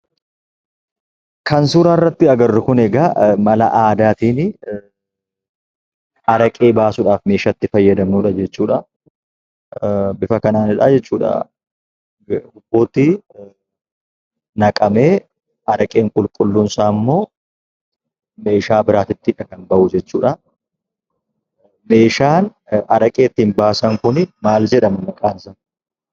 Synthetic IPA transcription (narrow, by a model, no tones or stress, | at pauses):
kɐnsuːɾaːrːɐt̪ːɪɐɡɐrːɪkʊnɛɡɐmɐlɐ̰ʔaːd̪aːt̪iːnɪ | ɐɾɐkʼe̞ːbaːsʊᶑaːfme̞ːʃɐt̪ːɪfɐjːɐd̪ɐmnuːᶑɐd͡ʒɛt͡ʃːuːᶑɐ | bɪfɐkɐnaːnɪᶑɐːd͡ʒɛt͡ʃːuːᶑɐ̰ | hʊboːt̪ɪ | nɐkʼɐme̞ː | ɐɾɐkʼe̞ːŋkʼʊlkʼʊlːʊnsaːmːo̞ː | me̞ːʃaːbɪɾaːt̪ɪt̪ːɪᶑɐkɐnbɐʔʊd͡ʒɛt͡ʃːuːᶑɐ | me̞ːʃaːnɐɾɐkʼe̞ːt̪ːiːnbaːsɐŋkʊnɪmaːld͡ʒɛᶑɐmɐmɐkʼaːnsɐn